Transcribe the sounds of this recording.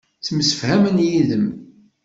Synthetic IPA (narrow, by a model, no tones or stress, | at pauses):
t͡sːəməsə̥fhæmənjiðəm